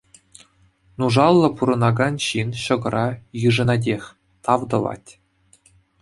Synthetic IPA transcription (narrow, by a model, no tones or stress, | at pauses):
nuʐɑlˠːɤ̆puɾɤ̆nɑɡɑnɕinɕɤ̆ɡɤ̆ɾʔɑjɯʐɤ̆nɑdʲexʲ | t̪ɑʋd̪ɤ̆vɑ̰tʲ